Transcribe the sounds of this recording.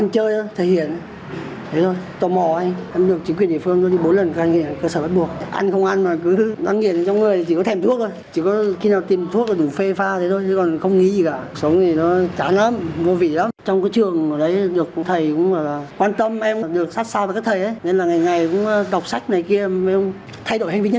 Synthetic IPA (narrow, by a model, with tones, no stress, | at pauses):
ʔa˧ŋ̟t͡ɕəː˧jt̪ʰo˧jt̪ʰe˨˩hḭ˧˨ən˨˦ | t̪ʰe˨˦t̪ʰo˧jt̪ɔ˨˩mɔ˨˩a˧jʔɛ˧mɗɨ˨˩ək̚t͡ɕi˨˦ŋkwənɗḭ˧˨fɨ˧əŋnɔ˨˦ɗi˧ɓo˨˦nlə˨˩nt̪ʰːa˧ŋi˧˨˩kəː˧səː˧˩ɓa˦˥t̚ɓu˨˩ək̚ʔa̰˧jŋ̟xə˧wŋ͡mʔa˧nmaː˨˩kɨ˨˦za̰˨˧ŋi˧˩˨əna˨˩t͡ɕɔ˧ŋ͡mŋɨ˨˩əjt̪ʰi˨t͡ɕi˧˩kɔ˨˦t̪ʰɛ˧˨˩mt̪ʰu˦˥ək̪̚o˧jt͡ɕi˧˩kɔ˨˦xi˧naː˨˩wt̪i˨˩mt̪ʰu˦˥k̚aː˨˩ɗu˧˩fe˧faː˧t̪ʰe˨˦t̪o˧jt̪ʰkɔ˨˩nxə˧wŋ͡mŋḭ˧˥zi˨˩ka̰ː˧˨sə˨˦ŋ͡mt̪ʰi˨˩nɔ˨˦t͡ɕaː˨˦na˨˦˥mvo˧vḭ˧˨la˨˦mt͡ɕɔ˧wŋ͡mkaː˨˦jt͡ɕɨ˨˩əŋɨː˧˩ɗə˨˦jɗɨ˨˩ək̚t̪ʰə˨˩jkʊ̰˧˥ŋ͡maː˧˩laː˨˩kwaː˧nt̪ə˧mʔɛ˧m˨˩ɗɨ˨˩ək̚sa˦˥t̚saː˧va˨˩kaː˦˥kt̪ʰə˨˩jʔə˨˦jne˧nlaː˨˩ŋa˨˩jŋa˨˩jkʊ̰˧˥ŋ͡mɗa˨˩wk͡p̚sa˦˥jk̟̚na˨˩jki˧əɛ˧ŋ͡m | t̪ʰa˧jɗo̰˧˨jɦa˧ŋvi˧˦ɲə˦